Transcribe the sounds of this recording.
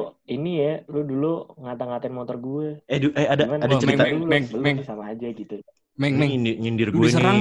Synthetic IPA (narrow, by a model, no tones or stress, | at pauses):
inijaluduluŋat̪aŋat̪aɪnmot̪ɔrɡuɛɛduʔɛadaimanːdaəit̪aulɛbəlmɛŋsamaːd͡ʒaɡit̪u | mɛŋmɛŋnɲindɪrɡuuɛsəɾaŋ